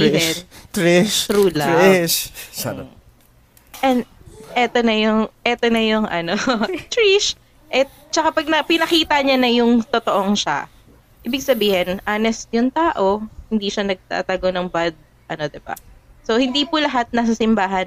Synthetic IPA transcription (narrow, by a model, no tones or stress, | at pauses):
ɛt̪ɾiʃɾuːlɐʃ | ʔɛnd̪ʔɛːt̪onɐjʊŋʔɛːt̪onɐjʊŋʔɐnot̪ɹiʃ | ʔɛ | t͡ʃɐkapɐɡ̚nɐpɪnɐkiːt̪ɐɲanɐjʊŋt̪ot̪oʔoŋʃa̰ | ʔiːbɪɡ̚sɐbiːhɪnʔaːnɛsjʊŋt̪aːʔo̞hɪnd̪iːʃɐnɐɡ̚t̪a̰ːt̪ɐɡonɐŋbad̪̚ | ʔɐno̞d̪ɪba̰so̞hɪnd̪iːpʊlɐɦat̪̚nɐs̬asɪmbaːɦɐn